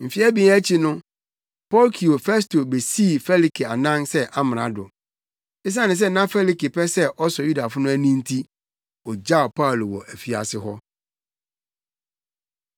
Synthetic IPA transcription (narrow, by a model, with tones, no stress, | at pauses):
m̩˨fi˦æ˦bĩ˨˦æ˦t͡ɕʰi˨nʊ̃˦ | pɔ˦lkʰi˨o˨fɛ˦s̬to˨be˨siː˦˨fɛ˦li˨kʰi˨a˨nã˦nsɛ˦ʔa˦m˨a̰˨dʊ˨ | ɪ˦s̬ã˦nɪ̃˨s̬ɛ˦nã˦fɛ˦li˨ki˨pʰɛ˦sɛ˦ʔɔ˦sɔ˨ju˦da˨fʊ˦nʊ̃˦æ˦nĩ˦n˦tʰi˦ | ɔ˨d͡ʑa˦˨pʰa˦˨lo˨wɔ̰˨ʔæ˨fi˦a̰˨sɪ˦ɦɔ˦